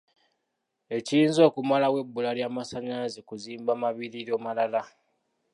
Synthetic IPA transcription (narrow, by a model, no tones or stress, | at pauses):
e̞ciinzo̞ːkumalawe̞bːulaljaːmasaɲaːzikuziːmbamaβiɾiɾoːmalala